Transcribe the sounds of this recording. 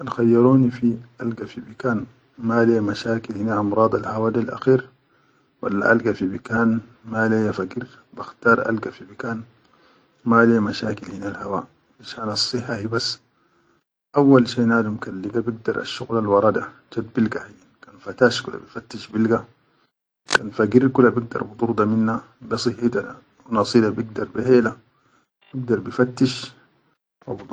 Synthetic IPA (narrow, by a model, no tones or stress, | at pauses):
anxajːɑɾuːnifiʔalɡafibikaːn | malemaʃaːkilhinaʔɑmɾˤɑːd̪ˤalhawaːd̪alʔa̰xiːɾ | wa̰lːa̰ʔalɡafibikaːnmalejafaɡiɾ | b̥axt̪ɑːɾˤʔa̰lɡafibikaːn | malejmaʃaːkilhinalhawaː | ʔaʃaːnɑsˤːɨħːahibasː | ʔawːalʃeːnaːd̪umkalːiɡabiɡ̚d̪ɑɾˤʔa̰ʃːuɣlalwɑɾˤɑd̪a | d͡ʒad̪̚bilɡahijːankanfat̪aːʃkula̰bifat̪ːiʃbilɡa | kaːnfaɡiɾkulːabiɡ̚d̪ɑ̰ɾˤbɨt̪ˤuɾd̪aminːa | bisˤɨhit̪a | nɑsˤiːd̪abiɡd̪ɑɾˤbiheːla | b̥iɡ̚d̪ɑɾˤbifat̪ːiʃ | wab̪